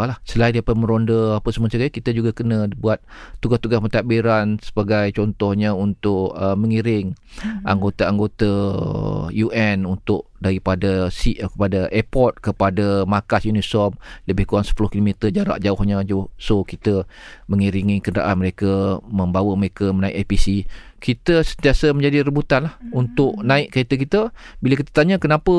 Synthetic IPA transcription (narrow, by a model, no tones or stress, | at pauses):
lahsəlaindiapat̪̚mə̃ɾondəapəsəmuasaɡakit̪əd͡ʒuɡakənə̃buat̪̚ːuɡast̪uɡasbət̪aʔbiɾansəbaɡajt͡ʃɔnt̪ɔhɲaunt̪ʊʔəməŋiɾɪŋʔa̰ŋɡot̪aaŋɡot̪a | juʔɛnunt̪ʊk̚daɾipadasiʔkəpadaʔepɔt̪̚kəpadamakasjunisɔmləbɪhkuaŋsə̥pulʊhkilomit̪əd͡ʒaɾa̰ʔd͡ʒaʊhɲad͡ʒuhsokit̪əməŋiɾiŋikənəda̰ʔanməɾekəmə̃mbawəməɾekəmənaɪ̰ʔapisi | kit̪əsənt̪iasəməɲd͡ʒadiɾəbut̪anlahunt̪ʊʔnãɪʔkəet̪ək̬it̪əbilak̬it̪ə̥t̪aɲəkənapə